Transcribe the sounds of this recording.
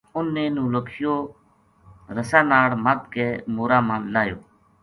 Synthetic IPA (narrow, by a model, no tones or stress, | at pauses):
ʊnːẽːnũːləkʰjoː | ɾəsaːnaːɽmaːt̪̚keːmoːɾaːmãːlaːjo̰ː